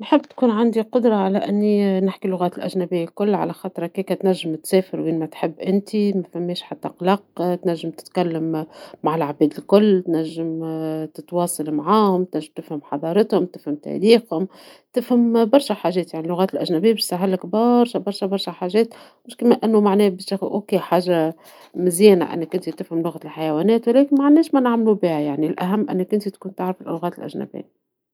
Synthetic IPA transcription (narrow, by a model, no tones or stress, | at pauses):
nħɪbːt̪kuːnʕand̪iqʊd̪ɾˤɑʕalæʔɪnːinɪħkilʊɣæːt̪lʔæʒnæbɪjːalkʊlːʕa̰læxɑːt̪ˤɾˤɑkiːkæt̪næʒːɪmt̪sɛːfɪɾwinmæt̪ħɪbːʔɪnt̪imæfæmːeːʃħat̪ːæqlɑq̚t̪næʒːɪmt̪ɪ̥t̪kælːamːaʕɪlʕabɛːd̪ɪlkʊlːt̪næʒːɪmt̪ɪt̪wɑːsˤɑlmaʕaːhʊmt̪næʒːɪmt̪ɪfhɪmħɑd̪ˤɑːɾˤɑt̪hʊmt̪ɪfhɪmt̪æ̰ɾiːxhʊmt̪ɪfhambɑɾˤʃaħaːʒɛːt̪jaʕnilʊɣæːt̪ɪlʔaʒnæbijːabɪʃsaɦalɪkbɑɾˤʃabɑɾˤʃɑbɑɾˤʃaħaːʒeːt̪ | mɪʃkameʔɪnːumaʕnɛːbɪakʔokeːħaːʒːa | mɪzjɛːna̰ʔɪ̰nːakːʊnt̪it̪ɪfhamlʊɣalħajawæːnɛːt̪wlɛːkɪnmaʕanːɛːʃmænaʕmlubiːajaʕnilʔaɦamːʔɪ̰nːakːʊnt̪it̪kuːnt̪aʕɾɪfɪlʔʊɣæːt̪ɪlʔa̰ʒna̰bɪ̰jːa